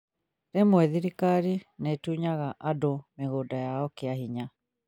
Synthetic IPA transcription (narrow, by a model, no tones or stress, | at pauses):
ɾemwɛðiɾikaɾinetuɲaɣaʔadomeɣodajaɔkeaɦiɲa